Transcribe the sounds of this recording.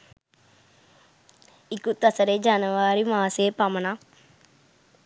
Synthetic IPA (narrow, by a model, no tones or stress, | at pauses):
ikut̪ɐsəɾed͡ʒanəʋaːɾimaːsepaməna